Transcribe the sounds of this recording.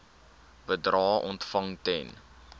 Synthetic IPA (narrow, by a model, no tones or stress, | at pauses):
b̥ədrɑːʔɔntfɐŋtɛn